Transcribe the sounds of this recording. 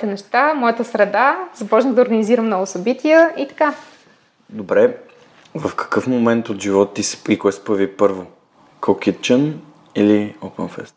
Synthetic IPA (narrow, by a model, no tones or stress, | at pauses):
t̪ɛnɛʃt̪amɔjət̪əsɾɛd̪azɐpɔt͡ʃnəd̪əoɾɡəniziɾəmnɔɡʊsɐbit̪ʲiəit̪ɐ̥ka | d̪obɾɛ | vɐfkə̥kɤfmomɛnt̪ot̪ʒivɔt̪t̪ːisikɔɛspəvipɤɾvo | kʰokit̪̚t͡ʃən | iliopənfɛ̰st̪